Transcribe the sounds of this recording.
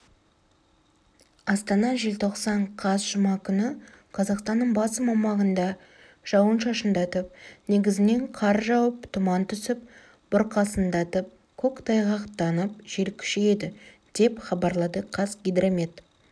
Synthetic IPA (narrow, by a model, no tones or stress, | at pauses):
ɑst̪ɑnɑʒelt̪ʰo̞qsɑɴqʰɑzʒʊmɑkʲʰʏnɪ | qʰɑzɑqst̪ɑnːəɴbɑsəmɑmɑʁənd̪ɑ | ʒ̥ɑwənʃɑʃənd̪ɑt̪əp̚ne̞ɡʲɪzɪne̞ɴqʰɑɾʒɑwəpt̪ʰʊmɑnt̪ʰʏsɪp̚ | b̥ʊɾqʰɑsənd̪ɑt̪əp̚ | kʲʰɵkt̪ʰɑjʁɑqt̪ːɑnəp̚ʒ̥e̞ɾkʲʰʏ̥ʃeje̞d̪ɪ | d̪̥e̞pχɑbɑɾlˠɑd̪əqʰɑzɡʲid̪ɾomʲet̪